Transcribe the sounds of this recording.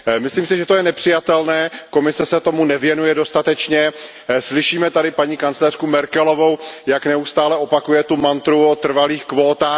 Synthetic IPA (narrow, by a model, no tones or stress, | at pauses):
mɪsliːmsɪʒɛt̪ojɛnɛpr̝̥ɪjat̪ɛlnɛːko̞mɪsɛsɛt̪o̞munɛvjɛnujɛdo̞st̪at̪ɛt͡ʃɲɛ | slɪʃiːmɛt̪adɪpaɲiːkant͡slɛr̥kumɛɾkɛlo̞vo̞wjaknɛust̪aːlɛʔo̞pakujɛt̪umant̪ɾuot̪r̩valiːxkvo̞ːt̪aː